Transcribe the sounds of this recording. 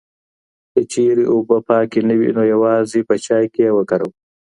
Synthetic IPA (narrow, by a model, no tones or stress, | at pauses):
kət͡ʃeːɾeʔubəpɑːkinəwḭnoːjɐwɑːzipət͡ʃɑːjkeewəkɐɾəw